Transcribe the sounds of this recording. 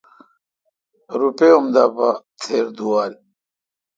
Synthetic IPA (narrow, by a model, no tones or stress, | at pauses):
ɾupeumd̪apat̪ʰeːɾd̪uwaːɾi